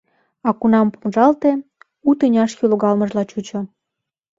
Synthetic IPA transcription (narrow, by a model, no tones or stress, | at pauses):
ɑkunɑmpumʒɑlt̪e | ut̪ənʲɑʃjyloɣɑlmə̆ʒlɑt͡ɕut͡ɕŏ